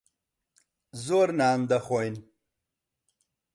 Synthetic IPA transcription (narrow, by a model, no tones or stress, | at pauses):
zoɾnaːnd̪aχojn